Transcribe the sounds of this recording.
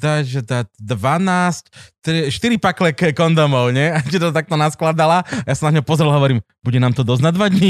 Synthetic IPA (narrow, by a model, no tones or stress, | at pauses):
d̪aʒɛd̪atd̪ʋanaːsct̪ɾiʃt̪iɾipaklɛkkɔnd̪ɔmɔʊɲɛacɛt̪ɔt̪ak̚t̪ɔnasklad̪alaajasanaɲɔpɔzɾɛlɦɔʋɔɾiːm | buɟɛnaːmt̪ɔd̪ɔznad̪ʋad̪ɲi